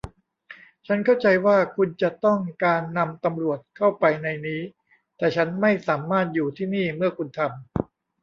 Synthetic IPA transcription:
t͡ɕʰa˦˥nkʰa˥˩wt͡ɕa˧jwaː˥˩kʰu˧nt͡ɕa˨˩t̪ɔ˥˩ŋkaː˧nːa˧mt̪a˧mɾu˨˩ət̪̚kʰa˥˩wpa˧jna˧jniː˦˥ | t̪ɛː˨˩t͡ɕʰa˦˥nma˥˩jsaː˩˦maː˥˩t̪̚juː˨˩t̪ʰiː˥˩niː˥˩mɯ˥˩ɐkʰu˧nt̪ʰa˧m

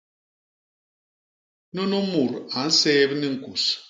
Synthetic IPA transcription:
no˦no˦mu˨ɾa˨˦n̩˦sɛː˦bni˦ŋ̩˨ku˨s

